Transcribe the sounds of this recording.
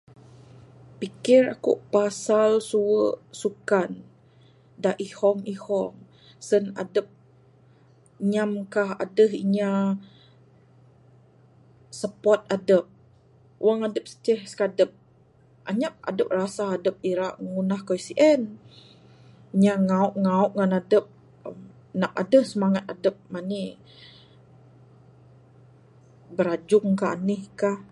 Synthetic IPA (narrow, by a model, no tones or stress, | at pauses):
pikɪra̰kṵʔpasalsuəʔsukan | daʔihɔŋihɔŋ | səna̰dəp̚ | ɲamkaha̰dəɦiɲa | səpɔt̪̚adəp̚ | wʔaŋadəp̚sə̥t̪əhsə̥kadəp̚ | ʔa̰ɲaʔ̚a̰dəp̚rasaːdəp̚iɾaʔŋunahkoisiʔɛn | iɲaŋauʔŋauʔŋanadəp̚ | əm | nap̚a̰dəhsəmaŋat̪̚adəp̚mani | bəɾad͡ʒʊŋkaɦa̰nəhkah